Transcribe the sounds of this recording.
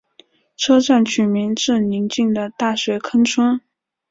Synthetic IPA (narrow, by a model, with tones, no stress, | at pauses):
ʈ͡ʂʰɤ˥ʈ͡ʂa˥˩nt͡ɕʰy˨˩mi˧˥ŋʈ͡ʂɻ̩˥˩ni˧˥ŋt͡ɕi˥˩ŋd̪ə˩t̪a˥˩ɕwe˧˥ɪkʰə˥ŋʈ͡ʂʰə˥ŋ